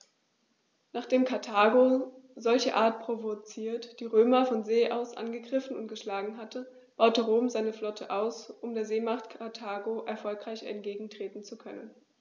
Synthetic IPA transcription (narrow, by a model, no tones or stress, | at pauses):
naːχd̥eːmkʰaɐtʰaːɡozɔlçə̰ʔaːɐt̚pʁ̥ovot͡siːɐtd̥iːʁøːmɐfɔnzeːʔaʊsʔa̰nɡəɡʁɪfn̩ʊ̰nt̚ɡ̥əʃlaːɡŋ̩ɦatʰə | b̥aʊtəʁoːmzaɪnəflɔtʰəʔaʊsʔʊmdeːɐzeːmaχtkʰatʰaːɡoʔɛɐfɔlkʁ̥aɪçɛ̰ntɡ̥eːɡŋ̩tʁ̥eːtn̩t͡sukʰœnən